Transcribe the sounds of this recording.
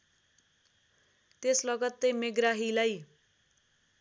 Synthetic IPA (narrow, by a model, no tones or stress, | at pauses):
t̪eslʌɡʌt̪ːejmeɡraɦilaj